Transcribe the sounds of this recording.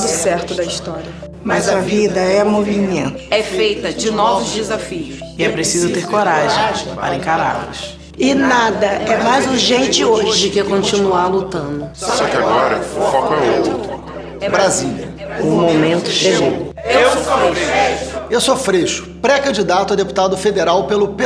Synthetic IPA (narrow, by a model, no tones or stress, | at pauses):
ʊsɛɾt̪ʊd̪ɐist̪ɔɾiɐ | mɐzɐvid̪ɐɛmovimɲẽnt̪ʊɛfejt̪ɐd͡ʒɪnɔvsʊzd͡ʒɪzafiʊsɪɛpɾesizʊt̪eɾkoɾaʒẽj̃ʒ̃ppa̰ɾẽkaɾa̰lʊ̰ʃ | ɪnad̪ɐɛmajzuʒẽnt͡ʃɪoʒɪd͡ʒɪkekõnt͡ʃinuaɾlut̪ɐ̃d̪ʊsɔkɪaɡɔɾɐ̰ʊfɔkʊɛot̪ɾʊɾʊ | bɾazilʲɐ | ʊmomẽnt̪ʊʃeeeʊewewamoɾejewsofɾeʃʊ̥pɾɛkɐ̃d͡ʒid̪at̪ʊɐd̪epu̥t̪ad̪ʊfed̪eɾawpelʊp